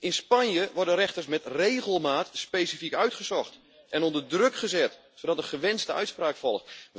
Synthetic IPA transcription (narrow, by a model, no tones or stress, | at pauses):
ʔɪnspanjəʋɔrɹdərɛxtərsmɛtreːɣəlˠmaːtspeːsifikœɥtχəsɔχt | ɛnɔndərdrøkχəzɛt | sodɑtəχəʋɛnstəœ̰ɥtspraːkfɔlˠxt